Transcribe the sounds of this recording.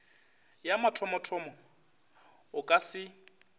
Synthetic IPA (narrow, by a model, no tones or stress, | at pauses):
jamatʰɔmɔtʰɔmɔ | ʊkʼasɪ